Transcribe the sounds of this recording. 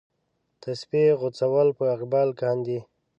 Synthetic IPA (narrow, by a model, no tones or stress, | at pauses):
t̪ʰaspeɣʊt͡sawalpəaqbɑlkɑnd̪i